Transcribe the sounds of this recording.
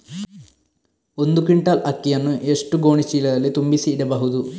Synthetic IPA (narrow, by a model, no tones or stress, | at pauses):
o̞nd̪ukiɳʈːaːlʔɐkːijɐnːuʔeʂʈuɡo̞ːɳit͡ɕiːlɐðɐlet̪umbisiːɽɐbɐɦud̪u